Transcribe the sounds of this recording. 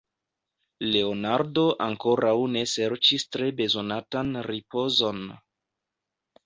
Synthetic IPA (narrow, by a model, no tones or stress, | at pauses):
le̞onaɾdo̞ʔaŋko̞ɾawne̞se̞ɾt͡ʃistɾe̞be̞zo̞natanɾipo̞zo̞n